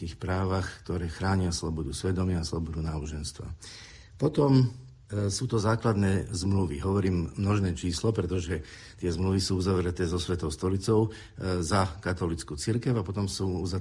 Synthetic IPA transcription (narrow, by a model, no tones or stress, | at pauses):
iːxpɾaːʋaxkt̪ɔɾɛːxɾaːɲɪaslɔbɔd̪usʋɛd̪ɔmɪaːslɔbɔd̪unaːbɔʒɛnst̪ʋa̰ | pɔt̪ɔm | suːt̪ɔzaːklad̪nɛːzmluʋḭɦɔʋɔɾiːmːnɔʒnɛːt͡ʃiːslɔpɾɛt̪ɔʒɛ | t̪ɪɛzmluʋisuːuzaʋɾɛt̪ɛːzɔsʋɛt̪ɔʊst̪ɔlit͡sɔʊ | zakat̪ɔlit͡skuːt͡siɾkɛʊapɔt̪ɔmsuːuza